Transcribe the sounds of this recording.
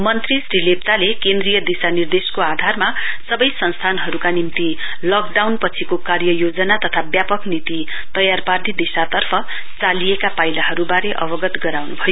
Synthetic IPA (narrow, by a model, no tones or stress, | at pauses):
mʌnt̪risrilep̚t̪alekẽnd̪rijʌd̪isanird̪eskoad̪ʱarmasʌbʌjsʌnst̪ʰanɦʌɾukanimt̪i | lʌkɖawnpʌt͡sʰikokarjʌjod͡zʌnat̪ʌt̪ʰabjapʌknit̪i | t̪ʌjarparnid̪isat̪ʌrpʰʌ | t͡salijekapajlaɦʌɾubaɾeʔʌ̰bʌɡʌt̪ɡʌɾawnubʱʌjo